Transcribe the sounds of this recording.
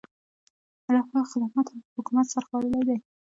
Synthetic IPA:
alɑxɑxɪd̪amɑt̪haəhʊkumat̪saɾaxpɑləlajd̪aj

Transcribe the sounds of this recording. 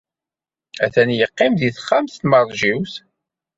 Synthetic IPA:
æθænjəqːɪmðiθχːamθt̪məɾˤʒiwθ

